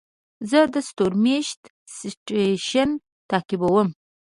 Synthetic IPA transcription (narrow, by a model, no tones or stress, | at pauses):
zəd̪əst̪oɾmeʃt̪ | siʈeʃən | t̪ɑkibawəm